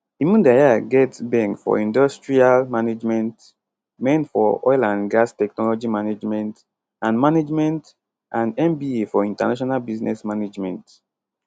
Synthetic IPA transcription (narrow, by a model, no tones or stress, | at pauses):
imũndajaɡɛtsbɛ̃ŋkfɔ̰ĩndɔstɹialmaned͡ʒmɛ̃nt | mɛ̃nfɔ̰ɔjlãndɡastɛknɔlɔd͡ʒimaned͡ʒmɛ̃nt | ãnmaned͡ʒmɛ̃nt | ʔãndɛ̃mbiefɔĩntanaʃ̬ɔnalbiznɛ̰smaned͡ʒmɛ̃nt